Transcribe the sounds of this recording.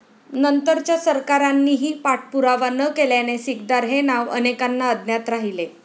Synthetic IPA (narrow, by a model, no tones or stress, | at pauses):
nənt̪əɾt͡ɕjasəɾkaɾanːiːɦiːpaʈ̚ʰpuɾaʋanəkeljanesikd̪aɾɦenaʋə̰nekanːaəd̪njat̪ɾaɦile